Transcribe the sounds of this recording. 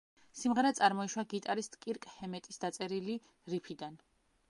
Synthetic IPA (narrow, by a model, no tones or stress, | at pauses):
simʁɛɾɛt̪sʼaɾmɔiʃwaɡit̪ʼaɾist̪ʼkʼiɾkʼhɛmɛt̪ʼisd̪at̪sʼɛɾili | ɾipʰid̪an